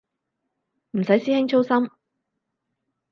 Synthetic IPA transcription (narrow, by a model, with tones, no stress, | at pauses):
m̩˨˩sɐ˨˥jsiː˥hɪ˥ŋt͡ʃʰo˥wsɐ˥m